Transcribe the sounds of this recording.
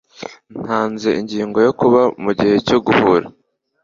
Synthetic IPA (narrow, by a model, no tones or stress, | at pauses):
n̥haːnze̞ʔiɲɟiːŋɡo̞jo̞kuβamuɟihe̞co̞ɡuhuɾa